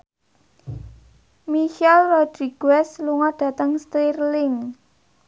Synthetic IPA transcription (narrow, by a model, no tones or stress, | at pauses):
miʃɛlrɔd̪̥ɾiɡ̥wɛsluŋɔɖ̥ä̤t̪əŋst̪irlɪŋ